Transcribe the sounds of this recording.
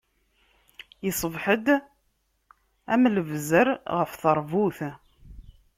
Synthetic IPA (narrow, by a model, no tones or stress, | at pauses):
jəsˤəvħəd̪ | æmləvzəɾʁəfθəɾˤvuθ